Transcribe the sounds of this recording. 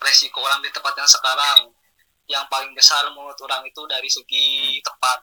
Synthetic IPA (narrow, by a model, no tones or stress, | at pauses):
resikoɾaŋdit̪əmpat̪̚jaŋsəkaɾaŋ | jaŋpalɪŋbəsarmut̪uɾaŋit̪udaɾisəɡit̪əpat̪̚